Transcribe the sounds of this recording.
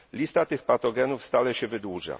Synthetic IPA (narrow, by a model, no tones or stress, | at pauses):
lʲist̪at̪ɘxpat̪ɔɡɛnufst̪alɛɕɛvɘd̪wuʐa̰